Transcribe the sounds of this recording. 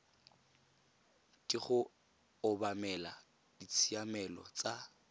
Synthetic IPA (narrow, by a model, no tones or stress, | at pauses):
tʼɪχʊ | ʊbamɛla | d̥it͡sʰiamɛlɔ̰t͡sʼa